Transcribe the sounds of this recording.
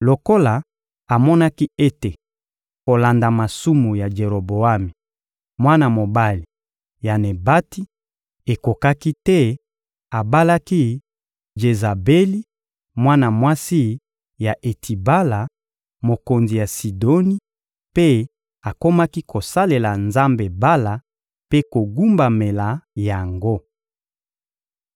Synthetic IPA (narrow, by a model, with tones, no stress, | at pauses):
lo˨ko˦la˨ | a˨mɔ˦na˦ki˦e˦te˨ | ko˨la˨nda˨ma˨su˦mu˨ja˨d͡ʒe˨ʁo˨bo˨a˦me˨ | mwa˦na˨mo˨ba˦li˨ | ja˨ne˨ba˦ti˦ | e˨ko˨ka˦ki˦tɛ˦ | a˨ba˦la˦ki˦ | ʒe˨za˨be˦li˦ | mwa˦na˨mwa˦si˦ | ja˨ʔe˨tʰi˨ba˦la˨ | mo˨ko˨nzi˨ja˨si˨do˦ni˦ | pe˦ | a˨ko˦ma˦ki˦kʰo˨sa˦le˨la˨nza˦mbe˨ba˦la˨ | pe˦ko˨ɡu˦mba˨me˨la˨ja˨ŋɡo˦